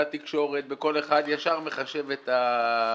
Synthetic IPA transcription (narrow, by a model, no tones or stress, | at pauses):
at̪ikʃo̞ʁet̪̚be̞ko̞le̞χad̪jaʃaʁmeχaʃe̞vet̪a